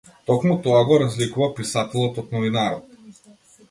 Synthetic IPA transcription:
t̪ɔkmut̪ɔaɡɔɾazlikuvapisat̪ɛlˠɔt̪ɔt̪̚nɔvinaɾɔt̪̚

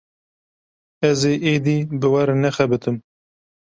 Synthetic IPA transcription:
ɛzeːʔeːd̪iːbɨwɐɾnɛxɛbɨt̪ɨm

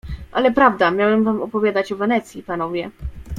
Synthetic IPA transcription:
ʔalɛpɾavd̪amʲjawɛmvamɔpɔvʲjad̪at͡ɕɔvɛnɛt̪sʲjipanɔvʲjɛ

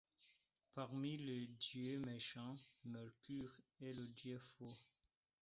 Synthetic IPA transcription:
paʁmiledjømeʃɑ̃mɛʁkyʁelədjøfo

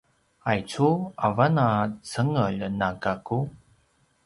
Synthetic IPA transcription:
ajt͡suavanat͡səŋəʎnaɡaku

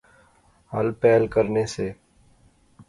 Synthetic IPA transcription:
ɦəlpɛːlkəɾneseː

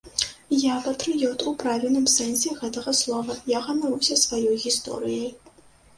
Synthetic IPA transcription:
jaːpʰɐtʰrɨjɛwtʼupraːvʲilnɨmsɛnsiɣɐdɐʁɐsloːvɐjaʁɐnɐɾusʲɐsvajojɣistʰo̰ɾijɐ

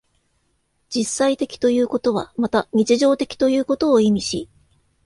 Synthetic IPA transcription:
d͡ʑisːait̪e̞kʲi̥t̪o̞jɯ̟ːko̞t̪o̞β̞amat̪aɲ̟it͡ɕiʑo̞ːt̪e̞̥kʲi̥t̪o̞jɯ̟ːko̞t̪o̞ːimʲiɕḭ

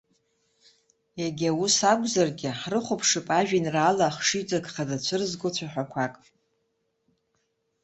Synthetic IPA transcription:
jaɡʲawusakʷʼzarɡʲɪħrɨχʷopʰʂɨpʼaʒᶣinraːlaχʂit͡sʼakʼχadat͡ɕʷʰɨrzɡʷʊt͡ɕʷʰaħʷᶣakʷʰakʼ

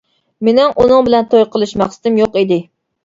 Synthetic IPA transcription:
menɪŋʔunɨŋbɪlɛnt̪ʰojqəlˠɨʃmæχsɨ̥t̪ɪmjoqid̪ɪ

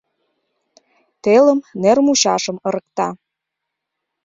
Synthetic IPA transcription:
t̪elə̆mnermuɕɑʃə̆mɤɾə̆k̚t̪ɑ

